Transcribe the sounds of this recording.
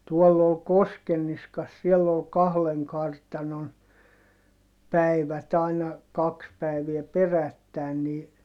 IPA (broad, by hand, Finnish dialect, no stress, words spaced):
tuɔlː ol koskenːiskɑs sielː ol kɑhleŋ kɑrtɑnon pæi̯ʋæt ɑi̯nɑ kɑks pæiʋiɛ perætːæˑi̯n niː